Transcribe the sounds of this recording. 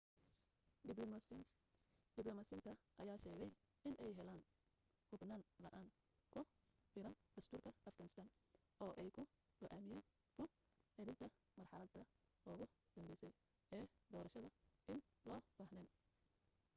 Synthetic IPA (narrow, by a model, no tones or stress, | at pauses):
d̪̥ɪblɔmɐsɪnt̪ʰɐʔɐjaːʃɛːɣɛj | ɪnʔɛjɦɛlaːn | hʊbnaːnlɐʔaːŋ | kʰʊ | fɪɾɐnd̪̥ɐst̪ʰuːrkʰɐʔɐfɡɐnɪst̪ʰaːn | ɔːʔɛjkʰʊ | ɡ̥ɔʔaːmɪjɛːn | kʰʊ | ʕɛðɪnt̪ʰɐ | mɐrħɑlɐd̪ʰɐ | ɔːɣʊ | d̪̥ɐmbɛjsɛj | ɛːd̪ɔːɾɐʃɐðɐɪn | lɔːb̥aːhnɛːn